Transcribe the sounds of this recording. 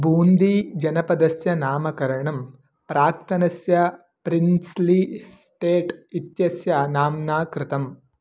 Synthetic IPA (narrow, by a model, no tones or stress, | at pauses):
bʱuːnd̪id͡ʒɐnɐpɐd̪ɐsjɐnaːmɐkɐɾɐɳɐm | pɾaːk̚t̪ʰɐnɐsjɐ | pɾinslisʈeːʈit̪jɐsjɐnaːmnaːkɾɪt̪ɐm